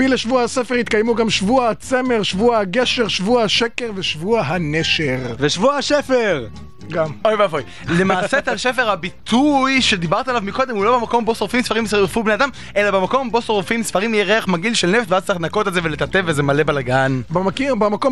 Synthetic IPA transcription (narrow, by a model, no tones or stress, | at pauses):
ileʃvuahasefehit̪̚kajmuɡamʃvuahat͡seme̞ʁʃvuahaɡe̞ʃe̞ʁʃvuahaʃekeʁveʃvuaɦaneʃeʁveʃvuahaʃefeʁ | ɡamojvafoj | lemaːset̪alʃefeʁhabit̪ʰujʃed̪ibaʁt̪alavmiko̞d̪emulo̞bemako̞mbo̞soʁfimsfaʁimsiʁfubnead̪am | ʔe̞labemako̞mbo̞soʁfimsfaʁimjeʁeaχmaɡilʃelneft̪veaztt͡saʁiχnakot̪elzevelet̪at̪evezemale̞balaɡanbamakibamako̞